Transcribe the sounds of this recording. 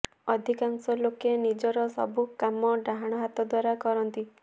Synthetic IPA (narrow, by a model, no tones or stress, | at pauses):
ɔd̪ʱikaŋsɔlokenid͡ʒɔɾɔsɔ̰bukamɔɖaɦaɽ̃ɔɦat̪ɔd̪waɾakɔɾɔnt̪i